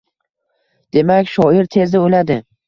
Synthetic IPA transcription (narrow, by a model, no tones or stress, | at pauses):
d̪̥e̞makʲʃɒɪɾt̪ʰe̞zɪolad̪ɪ